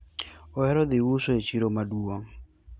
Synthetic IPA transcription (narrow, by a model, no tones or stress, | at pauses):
oɛɾɔd̪ɪwusoet͡ʃiɾomaduo